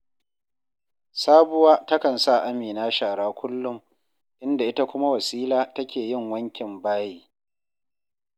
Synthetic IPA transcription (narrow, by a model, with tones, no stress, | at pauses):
saː˦bʊ˦waː˦tɐ˦kɐ˨nsa˦˨ʔa˦miː˨naː˦ʃaː˨ɽaː˦kʷʰʊ˦lːʊ˦m | ʔɪ˦nda˨ʔɪ˦ta˦kʷʊ˦ma˦wɐ˨siː˦laː˦tɐ˦kʲeː˨jɪ˦ŋwɐ˦ŋkʲɪ˨mbaː˦jiː˦